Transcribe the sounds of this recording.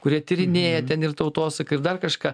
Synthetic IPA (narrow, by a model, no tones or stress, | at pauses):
kʊɾʲiɛt̪ʲɪɾʲɪnʲeːjɛt̪ʲɛnɪrt̪ɐʊt̪oːsɐkɐɪɾd̪ɐrkɐʃkɑː